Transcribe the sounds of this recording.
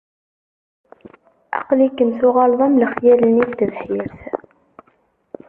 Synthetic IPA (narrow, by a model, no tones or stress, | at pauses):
ʔɑ̰qlikːəmsuʁɑlðˤɑmləχjæləniθt̪əðħiɾθ